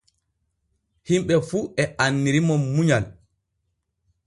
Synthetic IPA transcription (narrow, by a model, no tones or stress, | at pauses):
himɓɛfuɛʔanːiɾimɔmuɲal